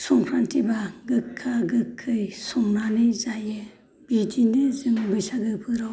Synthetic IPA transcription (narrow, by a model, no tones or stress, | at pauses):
sɔŋpʰɾantʰibaɡɯkʰːaɡɯkʰːɯjsɔŋnanɯzajɯ | bidinɯzɯmbɯjsaɡɯbʰɯɾaw